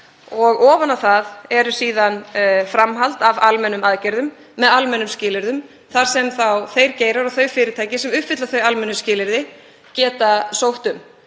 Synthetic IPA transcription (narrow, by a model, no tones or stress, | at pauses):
ɔɣɔːvanaθaðɛɾʏsiːðanfɾamɦalt̪avalmɛnʏmaðcɛɾðʏmː | ɛðalmɛnʏmscɪːlɪɾðʏm | θaɾ̥sɛmθawθejɾ̥ceːjɾaɾawθœɥfɪːɾɪt̪ʰaːjcɪsɛmʏhpfɪt̪laθœɥalmɛnːʏscɪːlɪɾðɪ | cɛːt̪asowht̪ʏm